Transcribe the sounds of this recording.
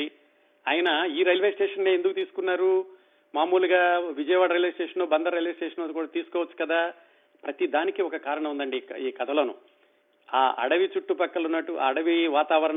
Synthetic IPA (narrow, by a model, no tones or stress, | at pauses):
i | aːjɐnɐiːɾɐjlʋesʈeːʂɐnneːend̪ukut̪iːsu̥kunːaːɾu | maːmuːluɡaːʋid͡ʒɐjɐʋaːɽɐɾijlesʈeːʂɐnloːbɐnd̪ɐɾɐjlʋeːsʈeːʂɐnloːd̪ikuːɽaːt̪iːsu̥kɔːʋɐt͡ʃːu̥kɐd̪aː | pɾɐt̪id̪aːnikiɔkɐkaːɾɐɳɐmund̪ɐɳɖiiːkɐt̪ʰɐloːnṵ | aːʔɐ̰ɽɐʋit͡ʃuʈːupɐkːɐlɐunːɐʈːuʔa̰ːɐɽɐʋiʋaːt̪aːʋɐɾɐɳ